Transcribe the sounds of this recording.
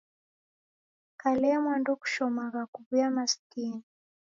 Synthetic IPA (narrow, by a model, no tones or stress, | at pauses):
kalɛamwandɔku̥ʃɔmaɣakuβujamaskin